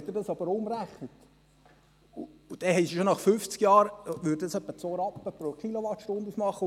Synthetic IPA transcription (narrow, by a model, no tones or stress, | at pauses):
ɛt̪d̪ɪɾdɑsɑb̥əɾʊmɾæχnət̪ | uːd̥ɛhɛɪsiʃonɑχfʏft͡skjɑːɾʋʏɾd̥əd̪ɑsœpːət͡soɾɑpːəpɾokiloʋɑtʃtond̪usmɑχːə